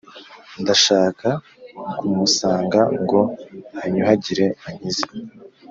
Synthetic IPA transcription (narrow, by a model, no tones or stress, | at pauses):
ndaʃaːka | kumusaːŋɡaŋɡo̞haɲuɦaɟiɾe̞aɲize